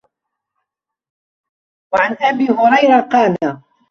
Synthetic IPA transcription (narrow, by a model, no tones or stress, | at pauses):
waʕanʔabiːɦʊɾˤɑjɾaqɑːnaː